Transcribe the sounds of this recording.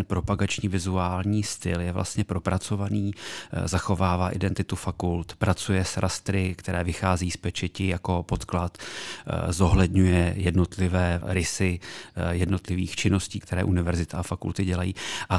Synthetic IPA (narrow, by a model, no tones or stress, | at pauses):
npɾo̞paɡat͡ʃɲiːvɪzuaːlɲiːst̪ɪljɛvlʔa̰st̪ɲɛpɾo̞pɾʔat͡so̞vaniːzaxo̞vaːvaːʔɪdɛnt̪ɪt̪ufakult̪pɾat͡sujɛsɾʔast̪ɾɪkt̪ɛɾɛːvɪxaːzɛiːspɛt͡ʃɛcɪjako̞po̞t̪klat̪ | zo̞ɦlɛdɲujɛjɛdno̞t̪lɪvɛːɾɪsɪjɛdno̞t̪lɪviːxt͡ʃɪno̞sciːkt̪ɛɾɛ̰ːʔunɪvɛɾzɪt̪aafakṵlt̪ɪɟɛlajiːʔa